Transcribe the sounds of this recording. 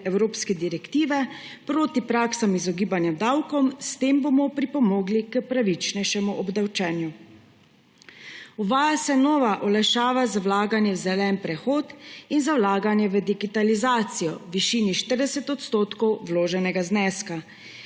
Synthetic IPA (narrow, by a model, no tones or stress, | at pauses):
ɛwɾoːpskɛd̪iɾɛkt̪iːʋɛpɾoːt̪ipɾaːksamizɔɡiːbanjad̪awkɔmst̪eːmbomɔpɾipɔmɔːɡlikəpɾaʋit͡ʃnɛjʃɛmuʔɔbd̪awt͡ʃɛːnju | uʋaːjasɛnɔːʋaʔɔlajʃaːʋazawlaːɡanjɛwzɛlɛːnpɾɛxoːt̪inzawlaːɡanjɛʋəd̪iɡit̪alizaːt̪sijɔʋiʃiːniʃt̪əɾd̪ɛsɛt̪ɔt̪st̪oːt̪kɔwwloːʒɛnɛɡaznɛːska